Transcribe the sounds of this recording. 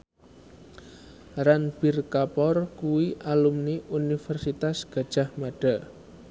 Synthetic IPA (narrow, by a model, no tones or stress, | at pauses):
ranb̥irkapɔrkuwiʔalumniʔunifɛrsit̪asɡ̥a̤d̥ʒ̥a̤hmaɖ̥a̤